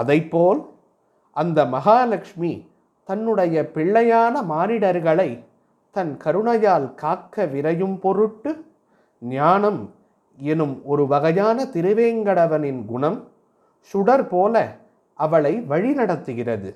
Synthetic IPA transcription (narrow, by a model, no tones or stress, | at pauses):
ɐðɐɪpːoːl | ʔɐnd̪ɐmɐɣaːlɐkʂmi | t̪ɐnːɯɽɐjɐpɪɭːɐjaːnɐmaːnɪɽɐɾɣɐɭɐɪ | t̪ɐnkɐɾɯɳɐjaːlkaːkːɐʋɪɾɐjɯmpɔɾɯʈːɯ | ɲaːnɐm | ɛnɯmɔɾɯʋɐɣɐjaːnɐt̪ɪɾɯʋeːŋɡɐɽɐʋɐnɪnɡʊɳɐm | sʊɽɐɾpoːlɐ | ʔɐʋɐɭɐɪʋɐɻinɐɽɐt̪ːɯɣɪrɐðɯ